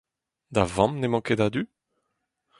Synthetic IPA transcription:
d̪avɑ̃mnemɑ̃ked̪ad̪y

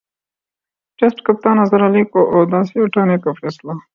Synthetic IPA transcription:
ʈesʈkɐp̚t̪aːnɐzɐɾɐlikoʔoːd̪aːsioʈaːnekofeːsla

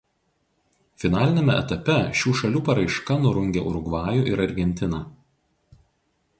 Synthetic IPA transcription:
fʲɪnɑːlʲɪnʲeˑmʲɛɛ̰t̪ɐpʲɛʃʲuːʃɐlʲuːpɐɾɐɪʃkɐnʊɾʊŋʲɡʲɛ̰ʔʊɾʊɡʋɑːjʊʔɪɾɐɾʲɡʲɛnʲt̪ʲɪnɑː

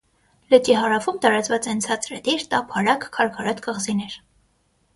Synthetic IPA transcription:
lət͡ʃiɦɑɾɑfumt̪ɑɾɑt͡svɑt͡sɛnt͡sʰɑt͡sɾəd̪iɾt̪ɑpʰɑɾɑkkʰɑɾkʰɑɾɑt̪kəʁzinɛɾ

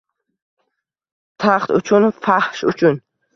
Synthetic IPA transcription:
t̪ʰaχt̪ut͡ʃʰunfahʃut͡ʃʰun

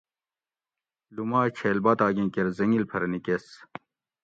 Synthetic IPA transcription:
lumaːt͡ɕʰeːlbɐt̪aːɡẽːkeɾzɐŋilpʰɐɾɐnikes

